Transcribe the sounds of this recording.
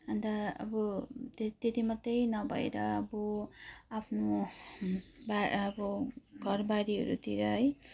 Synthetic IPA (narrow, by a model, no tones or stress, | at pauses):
ʌnd̪aʌ̰bʌt̪et̪et̪imʌt̪ːʌjnʌbʱʌ̰ḛɾʌʌbʌapʰno | baʌbʌɡʱʌrbaɾiɦʌ̰ɾṵt̪iɾʌɦʌj